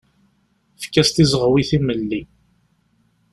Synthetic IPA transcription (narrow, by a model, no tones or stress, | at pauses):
fkːæst̪izəʁwiθiməlːi